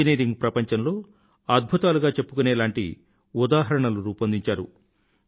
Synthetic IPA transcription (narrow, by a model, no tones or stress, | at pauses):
ineːɾiŋɡpɾɐpɐɲt͡ʃɐnlo̞ː | ɐd̪̚bʱut̪aːluɡaːt͡ʃe̞pːukunɛːlaːɳʈḭ | ud̪aːɦɐɾɐɳɐluɾuːpɐnd̪iɲt͡ʃaːɾṵ